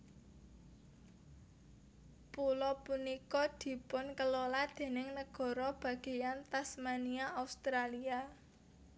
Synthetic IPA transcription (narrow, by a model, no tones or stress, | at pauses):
pulɔpunikɔd̪̥i̤pʊnkəlolad̪̥e̤nɪŋnəɡ̥ɔ̤ɾɔb̥ä̤ɡ̥e̤jant̪asmaniaaust̪ɾalia